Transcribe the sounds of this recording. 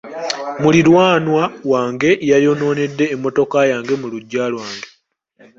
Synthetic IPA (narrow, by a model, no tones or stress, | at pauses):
mulilwaːnwawaːŋɡe̞ʔjajo̞no̞ːne̞dːe̞ːmːo̞to̞kajaːŋɡe̞muluɟːaːlwaːŋɡe̞